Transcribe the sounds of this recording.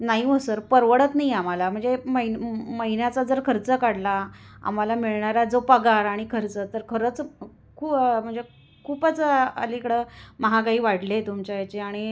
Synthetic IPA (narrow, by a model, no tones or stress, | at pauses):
naɦiəsəɾpəɾʋəɽət̪naɦiam̤alam̤əɳd͡zeməiməɦinjat͡sad͡zəɾkʰəɾt͡səkaɽlaa̰m̤alamiɭɳaɾad͡zopəɡaɾaɽ̃ikʰəɾt͡sət̪əɾkʰəɾət͡s | kʰuːm̤əɳd͡ze | kʰuːpat͡səə̰likɽəməɦakaɦiːʋaɽlet̪umt͡ɕaet͡ɕeaɽ̃i